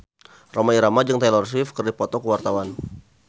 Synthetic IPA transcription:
romaiɾamad͡ʒɨŋt̪alɔrs̬ifkɨrdipɔt̪ɔkəwart̪awan

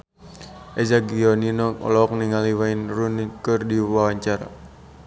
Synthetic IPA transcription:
ʔɛzaɡiɔninɔɔ̰lɔk̚niŋaliwainrunikɨrdiwawaɲt͡ʃaɾa̰

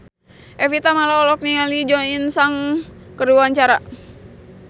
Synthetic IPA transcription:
ʔɛfit̪amalaɔlɔk̚niŋalid͡ʒɔinsaŋkərduaɲt͡ʃaɾa

